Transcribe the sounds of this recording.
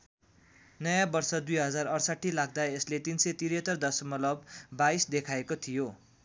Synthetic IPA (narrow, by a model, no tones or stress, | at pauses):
nʌjabʌrsʌd̪ujɦʌd͡zarʌrsaʈʰːilak̚ʰd̪aeslet̪insʌt̪iɾijʌt̪ːʌrd̪ʌsmʌlʌbːaisd̪ekʰaekot̪ʰijo